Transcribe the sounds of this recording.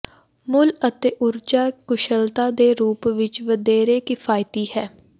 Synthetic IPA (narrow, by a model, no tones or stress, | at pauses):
mʊlət̪eːʔʊɾd͡ʒaːkʊʃəlt̪aːd̪eːɾuːpʋɪt͡ʃʋəd̪eːɾeːkɪfʰaːjt̪iːhɛː